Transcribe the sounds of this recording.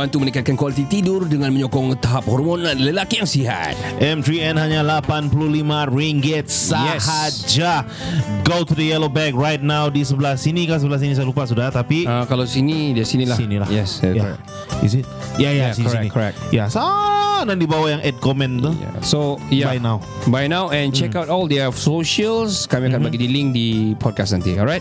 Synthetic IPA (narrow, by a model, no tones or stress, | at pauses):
bant̪umənikat̪̚kankwalit̪it̪idʊrdəŋanməɲɔkɔŋt̪aɦap̚hɔrmonaləlakijaŋsiɦa̰t̪̚ʔɛmt̪ɾiɛ̃nhaɲalapanpuluhlimaɹiŋɡɛt̪̚sajɛhad͡ʒa | ɡot̪udəjɛlobɛk̚ɹajt̪̚nawdisəblasinikas̬əbəlas̬inis̬ajalupas̬udaht̪apiəkalawsinidisinilasinila̰hjɛsɛjaɹɛ̰k | ḭsit̚jajasiksiɛknikʰːɔɹɛ̰k̚jasanãndibawajaŋʔɛd̚kɔmɛ̃nt̪uja̰sojabajnaw | bajnawɛ̃nt͡ʃɛkawtɔldɛsoʃəlskamĩakanbaɡidilĩŋk̚dipʰɔd̚kasnãnt̪iɔlɹajt̚